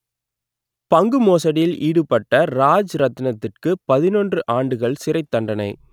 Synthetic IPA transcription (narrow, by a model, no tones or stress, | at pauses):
pɐŋɡɯmoːsɐɽɪjɪlʔiːɽɯpɐʈːɐɾaːd͡ʒɾɐt̪ːɯnɐt̪ːɪrkɯpɐðɪnɔndrɯʔaːɳɖɯɣɐɭsɪrɐɪt̪ːɐɳɖɐnɐɪ